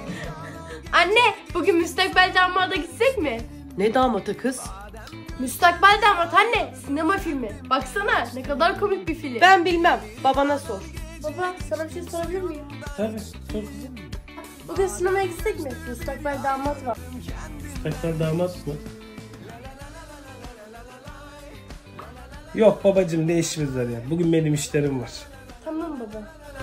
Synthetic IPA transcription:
anːɛbukynmyst̪ak̚balʲd̪aːmːaɾd̪aɟit̪ːɛcmɪ | nɛd̪aːmat̪ʰɯkʰɯz̥ | myst̪ʰakbalʲd̪aːmat̪hanːɛsinemafilʲmɪb̥aksananɛkad̪aɾkʰo̞mic̚bifilʲbænbilʲmæm | babanasoɾ̥bapaksanabiʃejso̞ɾabilʲiɾmijim | t̪ʰabi | t͡ʃʰokɯza | bud̪asinemajaɟist̪ɛcʲmɪust̪ʰaklˠaɾd̪aːmat̪vaɾ̥ust̪ʰaklaɾd̪aːmat̪mɯ | jok̚babad͡ʒɯmd̪e̞jiʃimizlˠaɾjabuɟynmenimiʃlʲeɾimvaɾ̥ | t̪ʰammambaba

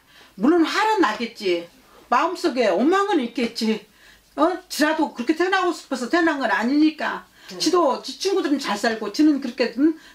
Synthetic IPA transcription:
muɭːonhaɾɯnːaɡet̚t͡ɕ͈i | maɯms͈oɡe̞ʌnmaŋɯniɭk͈et̚t͡ɕ͈i | ʌt͡ɕiɾadokɯɾʌkʰetʰenaɡos͈ʰu̥pʰʌsʰʌtʰenaŋɡʌnaɲiɲik͈a | t͡ɕidot͡ɕit͡ɕʰuŋɡudɯɾɯnt͡ɕaɭs͈aɭɡot͡ɕinɯnkɯɾʌkʰe̞ɯn

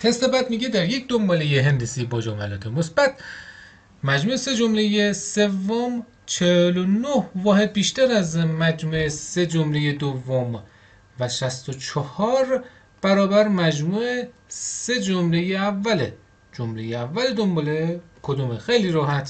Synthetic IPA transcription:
t̪ʰest̪ebæd̪miːɟed̪æɾje̞cd̪ombɒːlejeɦend̪esiːbɒːd͡ʒɒːmælɒːt̪ʰemosb̥æt̪̚ | mæd͡ʒmuːʔese̞d͡ʒomle̞jese̞vːom | t͡ʃʰehelonohvɒːhe̞d̪̚biːʃt̪æɾæzmæd͡ʒmuːese̞d͡ʒomle̞jed̪ovːom | væʃæst̪ot͡ʃʰɒhɒːɾ | b̥æɾɒːbæɾmæd͡ʒmuːese̞d͡ʒomle̞jeævːæle | d͡ʒomlejeævːæled̪ombɒːle | kʰod̪umexejliːɾɒːɦæt̪ʰ

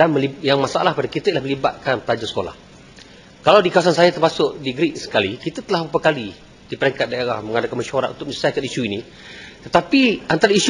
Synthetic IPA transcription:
anməlijaŋmasaa̰lahpadakit̪ailahməliba̰t̪̚kanpəlad͡ʒasə̥kola̰h | kalawdikawasansajat̪ərmasʊʔdiɡɾik̚sə̥kalikit̪at̪əlahbapakali | d̥ipəɾɛŋkat̪̚daeɾahməŋadakanmaʃuaɾa̰t̪unt̪ʊk̚mə̃sisakanisuini | t̪ət̪apiant̪aɾais

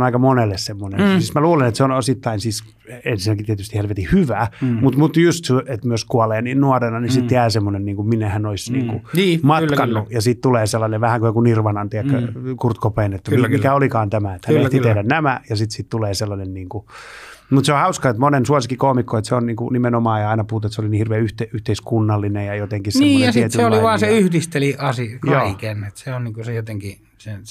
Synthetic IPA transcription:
nɑikɑmonelːessemːonesiːsmæluːlenet̪seonosit̪ːɑinsiːs | ensinækit̪t̪ieæt̪yst̪ihælʋet̪ihyʋæːmut̪mut̪just̪yet̪møoskuɑleːniːnnuɑrenɑnisit̪t̪eæːsemːonenniːŋkumminːehænoisniːŋkunːmɑt̪ːkɑnːujɑsiːt̪t̪uleːselːɑneʋʋæhæŋkujoŋkunirʋɑnɑnt̪iækːækurt̪kopeinet̪ːæimikæolikɑːnt̪æmæet̪hænnet̪iehɾænnæmæjɑsit̪sitt̪uleːselːɑnenniːŋku | mut̪seohɑuskɑet̪monensuosikːikoːmikːoet̪seonniːŋkṵnimenomɑːjɑɑinɑpuhːt̪et̪seoliniːhirʋeæːyht̪eyht̪eiskunːɑlːinejɑjot̪eŋkisneimːjɑsiiet̪yseoliʋɑːnseyhdist̪eliɑsijoɑːikenet̪seonniːŋkusejot̪eŋki | sen

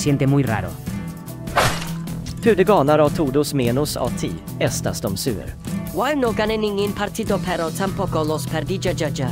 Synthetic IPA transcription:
sjent̪emujra̰ɾo̰ | pʰʉ̟ːd̪əɡɑːnaɾavt̪ʰuːd̪ʊsmeːnʊsɑ̰ːt̪ʰḭː | ɛst̪ast̪ɔmsʉ̟ːə̰ɾwajnoɡanenɪŋɪnpʰaɾt̪ʰid̪opʰɛɾɔt̪ʰampɔkɔlɔspʰɛɾd̪id͡ʒad͡ʒad͡ʒa

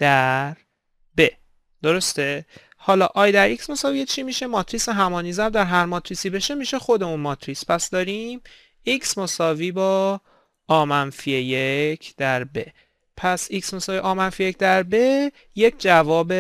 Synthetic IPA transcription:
d̪̥æɾ | be | d̪̥o̞ɾo̞st̪e̞ | hɒːlɒːʔɒːjd̪æɾʔiksmo̞sɒːvijet͡ʃʰimiːʃemɒːt̪ʰɾiseɦæmɒːnizæɾd̪æɾɦæɾmɒt̪ʰɾisiːbe̞ʃemiːʃe̞xo̞d̪e̞munmɒːt̪ʰɾispʰæsd̪ɒːɾim | iksmo̞sɒːviːbɒː | ɒːmænfiejecʰd̪̥æɾbe | pʰæsiksmo̞sɒːviʔɒːmænfije̞cʰd̪æɾbe̞ | je̞cʰd͡ʒævɒːbe

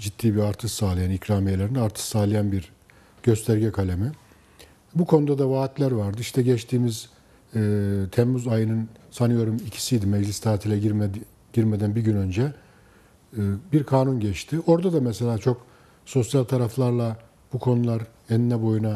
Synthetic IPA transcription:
d͡ʒit̪ʰːiːbiaɾt̪ʰɯʃsaːlˠɯjanicɾaːmejelʲeɾinɛaɾt̪ʰɯ̥ʃsaːlˠajanbiɾ | ɟ̥ø̞st̪ʰæɾɟɛkʰalʲemi | bukʰo̞nud̪ad̪avaːt̪lʲæɾvaɾd̪ɯiʃt̪ʰɛɟɛt͡ʃt̪ʰiːmiz̥ː | t̪ʰɛmːuzajɯnɯnsanɯjo̞ɾumicʰi̥sijd̪imɛd͡ʒlʲist̪ʰaːt̪ʰilʲɛ | ɟ̥iɾmɛd̪ænbiɟynø̞nd͡ʒɛ | biɾkʰaːnunɟɛt͡ʃt̪ʰɪo̞ɾd̪ad̪amɛse̞lʲaːt͡ʃʰo̞k | so̞sjalʲt̪ʰaɾaflˠaɾlˠa | bukʰo̞nulˠaɾ | ɛnnːɛbo̞juna

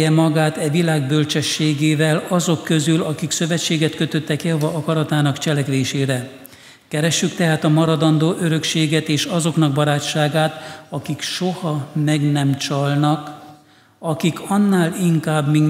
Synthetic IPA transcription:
ɛmɒɡaːt̪ɛvilaːɡ̚bø̞lt͡ʃɛʃːeːɡeːvɛlɒzo̞kːø̞zylɒkiksø̞vɛt͡ʃːeːɡɛt̪kø̞t̪ø̞t̪ːɛkjɒvɒɒkɒɾɒt̪aːnɒkt͡ʃɛlɛkʋeːʃeːɾɛ | kɛɾɛʃːykt̪ɛɦaːt̪ɒmɒɾɒd̪ɒnd̪oːʔøɾø̞kʃeːɡɛt̪eːʃɒzo̞kn̪ɒɡ̚bɒɾaːt͡ʃːaːɡaːt̪ɒkikʃo̞hɒmɛɡnɛmt͡ʃɒlnɒk | ɒkikʰɒnːaːliŋkaːbmin

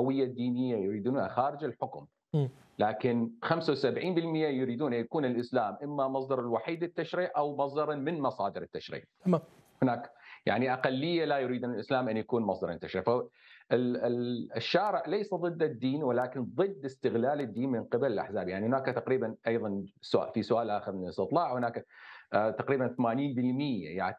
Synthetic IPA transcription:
awɪjːad̪ːiːnɪjːajʊɾiːd̪uːnha̰xaːɾɪd͡ʒɪlħʊkʊm | laːkɪnxamsawsabʕiːnbɪlmɪjːajʊɾiːd̪uːnʔanjakuːnɪlʔɪslaːmʔɪmːamɑsˤd̪ɑɾˤɪlwaħiːd̪ɪt̪ːaʃɾiːʕʔawmɑsˤd̪ɑɾˤmɪnmɑsˤɑːd̪ɪɾɪt̪ːaʃɾḭːʕ | hʊnaːkja̰ʕniʔaqalːɪjːalajʊɾiːd̪uːnalʔɪslaːmʔanjakuːnmɑsˤd̪ɑɾˤɪ̰t̪ːaʃɾiːʕfaʔɪ | ʃːaːɾɪʕlejsaðˤɨd̪ːad̪ːiːnwɪlaːkɪnðˤɨd̪ːɪst̪ɪɣlaːlɪd̪ːiːnmɪnqɪbalɪlʔa̰ħzaːbjaʕnihʊnaːkt̪aqɾiːbanʔɑjðˤɑnsʊʔfisʊʔaːlʔaːxɪɾmɪnlɪst̪ɨt̪ˤlɑːʕhɪnaːkat̪aqɾiːbanθamaːniːnbɪlmɪjːa̰ja̰ʕ

